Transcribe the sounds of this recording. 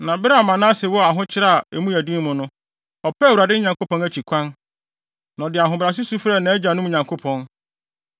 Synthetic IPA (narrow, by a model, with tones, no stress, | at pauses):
nã˨bɾɛ˦a˨mã˨nã˦sɛ˨wɔ˦a˨ɦʊ̃˦t͡ɕʰɪ˦ɾa˦a˨ɛ˨mũ˦æ˨dĩ˦mʊ̃˨nʊ̃˦ | ɔ˨pʰɛ˦wu˨ɾa˨dɪ˦ɲã˨ŋko˦pɔ̃˦næ˨t͡ɕʰi˨kʷʰã˦n | nã˨ɔ˨dɪ˨a˨ɦʊ̃˨bɾa˨s̬ɪ˦su˦fɾɛ˦˨nã˨ɛ˦d͡ʑa˨nʊ̃˦m˨ɲã˨ŋkʰo˦pʰɔ̃˨n